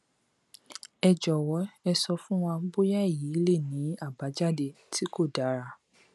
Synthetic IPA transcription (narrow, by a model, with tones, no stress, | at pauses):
ɛ˨d͡ʒɔ˨wɔ˨˦ɛ˧sɔ˧fũ˦w̃ɔ̃˧bo˦ja˦i˦˨ji˨˦i˦le˦˨nĩ˨˦a˦˨ba˨˦d͡ʒa˦˨de˧˨ | tʰi˦ko˦˨da˨˦ɾa˧